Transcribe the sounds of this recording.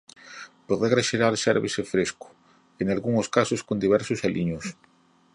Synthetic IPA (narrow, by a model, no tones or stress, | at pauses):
poðeɣɾaʃeɾaɾʃɛɾβesefɾeskʊ̥ | eŋalɣuŋoskasʊskond̪iβɛɾsʊsalʔiɲos